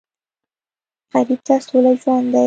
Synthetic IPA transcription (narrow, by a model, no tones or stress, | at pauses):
qaɾib̚t̪asolaʒwand̪a